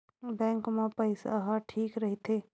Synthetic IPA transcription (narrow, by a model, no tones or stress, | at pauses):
bɛ̃ːŋkmẽpɐɪsa̰ɦaʈʰiːkɾɐɦit̪ʰeː